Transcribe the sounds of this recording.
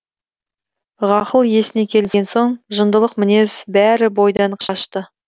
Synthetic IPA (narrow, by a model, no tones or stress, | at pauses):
ʁɑqəlˠje̞sɪne̞kʲʰe̞lɪsɡʲenso̞ɴʒənd̪əlˠəqmɪne̞zbæɾɪbo̞jd̪ɑɴqʃɑʃt̪ə